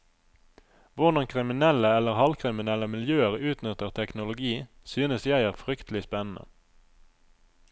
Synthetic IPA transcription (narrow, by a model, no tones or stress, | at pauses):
ʋʊʁd̪ɑŋkʰʁɪmɪnɛləɛləʁhɑlkʰʁɪmɪnɛləmɪljøːəʁʉːt̪nʏt̪əʁt̪ʰɛknʊlʊɡiː | syːnəsjæɪæːʁfʁʏkt̪ʰlɪspɛnn̩ʔə̰